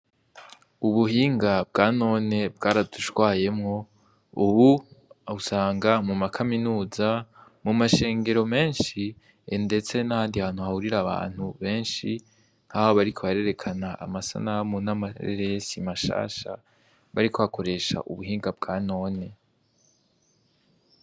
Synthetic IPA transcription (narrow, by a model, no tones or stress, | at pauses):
uβuɦiːŋɡab̚ɡaːno̞ːne̞bɡaːɾaduʃwaːje̞mŋo̞ | uβuusaːŋɡamumakʰaminuːzamumaʃe̞ːŋɡe̞ɾo̞me̞ːnʃi | ende̞t͡se̞nahaːndihaːn̥huhahuɾiɾaβa̰ːn̥huβe̞ːnʃi | n̥haːhoβaɾikʰo̞βaɾe̞ɾe̞kʰanaʔa̰masa̰naamonamaḛɾesimaʃa̰ːʃa̰ | βaɾikʰo̞βakʰo̞ɾe̞ʃa̰ʔuβuɦiːŋɡab̚ɡaːno̞ːne̞